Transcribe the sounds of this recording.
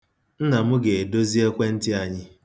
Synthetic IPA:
n̩˦na˨mʊ˦ɡe˨e˨do˦zi˦e˦kʷe˦n̩˦tɪ˦a˨ɲɪ˦

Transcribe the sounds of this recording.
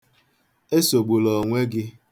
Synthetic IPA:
e˦so˨ɡ͡bu˨lɔ˨ŋʷe˦ɡɪ˦

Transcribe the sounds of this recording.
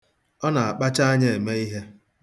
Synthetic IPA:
ɔ˦na˨a˨k͡pa˦t͡ʃa˦a˦ɲe˦˨e˨me˦i˦ɦe˦

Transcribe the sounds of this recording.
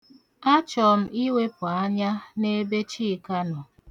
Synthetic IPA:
a˦t͡ʃɔ˨m̩˦i˦we˦pʊ˨a˦ɲa˦ne˦be˦t͡ʃi˦˨ka˦nɔ˨

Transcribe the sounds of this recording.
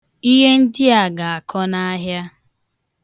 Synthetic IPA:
i˦ɦe˦n̩˦dɪ˦a˨ɡa˨a˨kʰɔ˦na˦ɦja˦

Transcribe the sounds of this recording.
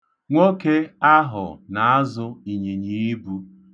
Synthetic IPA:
ŋʷo˦ke˦a˦ɦʊ̰˨na˨a˦zʊ˦i˨ɲi˨ɲi˨i˦bu˦

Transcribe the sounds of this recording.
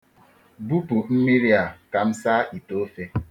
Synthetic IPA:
bu˦pu˨m̩˦mi˦ɾi˦a˨ka˨m̩˦sa˦i˨to˦fe˦

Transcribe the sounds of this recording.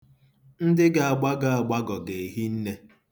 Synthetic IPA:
n̩˦dɪ˦ɡa˨a˨ɡ͡ba˦ɡa˦˨a˨ɡ͡ba˦ɡɔ˨ɡe˨ɦi˦n̩˦ne˦

